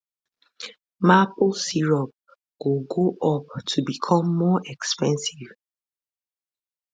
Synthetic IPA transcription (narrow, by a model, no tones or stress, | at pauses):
maposiɹɔp̚ | ɡ̥oɡoʔɔp̚tʰubikʰɔ̃mːɔʔɛkspɛ̃nsiv